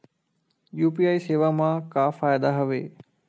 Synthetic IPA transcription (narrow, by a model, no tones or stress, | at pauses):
juːpiaːiseːʋamãkafaːjəd̪aɦɐʋḛː